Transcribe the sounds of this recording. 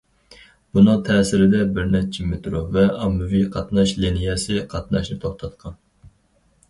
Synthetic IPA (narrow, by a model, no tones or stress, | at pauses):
b̥unɨŋt̪ʰɛːsɪɾɪd̪ɛbɪɾnɛt͡ʃʰɪmet̪ɾovɛʔɑmːɨviqʰɑt̪nɑʃlinijɛsɪqʰɑt̪nɑʃnɨt̪ʰoχt̪ʰɑt̪qʰɑn